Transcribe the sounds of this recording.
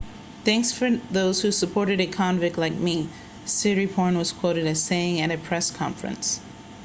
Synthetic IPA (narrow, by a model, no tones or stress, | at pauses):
θæ̃ŋksfə˞ðoʊz̥husəpʰɔɹɾɨɾɨkʰɑ̃nvɨk̚tˡlaɪk̚mi | sɪɹipʰɔɹnwʌz̥kʰw̥oʊɾɨɾɨz̥seɪɪ̃ŋɨ̃ɾɨpʰɹ̥ɛskʰɑ̃ɱfɹɨ̰̃ns